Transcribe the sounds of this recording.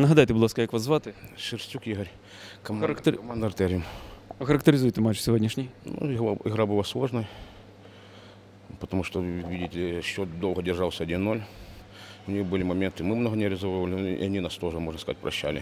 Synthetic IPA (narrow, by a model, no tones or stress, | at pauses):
nəɦɐd̪ajt̪ɨblˠaskəjakʋɐzvat̪ɨʂɨrsʲtʲukiɣəɾʲ | kɐkt̪ʲmand̪ɐrt̪ɛɾʲɪmɐxəɾɐkt̪ʲɪɾʲɪzujt̪ɨmat͡ɕsʲɪvodʲnʲɪʂnʲɪjnṵɣaɪɣɾabɨlˠaslˠo̞ʐnəj | pət̪ɐmuʂt̪oʋʲidʲɪtʲɪlʲɪɕːod̪olˠɣədʲɪrʐalˠsʲəɐdʲinːo̞lʲ | ʊnʲijbɨlʲɪmɐmʲent̪ɨmɨmnoɦənʲɪɐɾʲɪzoʋəvəlʲɪḭɐnʲinast̪o̞ʐɨmo̞ʐnskɐza̰tʲpɾʔɐ̰ɕːæ̰lʲɪ̰